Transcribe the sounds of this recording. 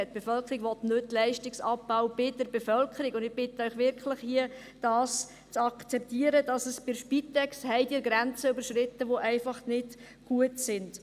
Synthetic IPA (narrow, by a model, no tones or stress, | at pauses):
t̚ːb̥efœlkʰəɾiɡʋɔt̪nʏtːlɛɪʃtɪksɑpːaʊb̥ɪdəɾbɛfœlkʰəɾiɡʊnd̪ɪɡb̥ɪtːəœɥχʋɪɾkʰləχhiə | d̥ɑːs | t͡sɑkt͡sɛp̚tiəɾədɑsəsb̥ɪɾʃpitɛkshɛɪdɪːɾɡɾɛnt͡səybəɾʃɾɪtːəʋoʔæɪfɑχnɪd | ɡ̥uətsɪnd̥